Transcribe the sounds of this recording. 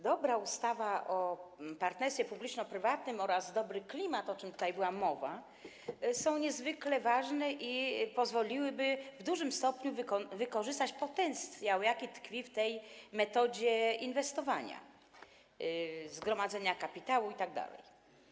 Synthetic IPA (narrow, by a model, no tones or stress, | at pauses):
d̪ɔbɾaust̪avaʔɔpaɾt̪nɛɾsʲɛpublʲit͡ʂnɔpɾɘvat̪nɘmɔɾazd̪ɔbɾɘklʲimat̪ɔt͡ʂɘmt̪ut̪ajbɘwamɔva | sɔ̃w̃ɲɛzvɘklɛvaʐnɛʔipɔzvɔlʲiwɘbɘvd̪uʐɘmst̪ɔpɲuvkɔvɘkɔʐɘst̪at͡ɕpɔt̪ɛnt̪sssʲjawjakʲit̪kfʲift̪ɛjmɛt̪ɔd͡ʑɛinvɛst̪ɔvaɲa̰ | zɡɾɔmad̪zɛɲakapʲit̪awuit̪aɡ̚d̪a̰lɛ̰j